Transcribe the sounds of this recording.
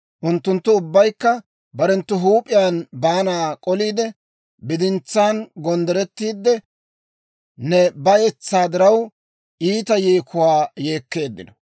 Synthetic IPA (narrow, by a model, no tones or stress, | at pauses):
ʔʊnt̪ːʊnt̪ːʊʊbːɐjkːɐ | bɐɾɛnt̪ːʊɦuːpʼːɪjaːnbaːnaːkʼɔliːd̪ɛ | bɪd̪ɪnt͡sːaːnɡɔnd̪ɛɾɛt̪ːiːd̪ːɛ | nɛbɐjɛt͡sːaːd̪ɪɾɐw | ʔiːt̪ɐjeːkʊwaːjeːkːe̞ːd̪ːɪ̰nɔ̥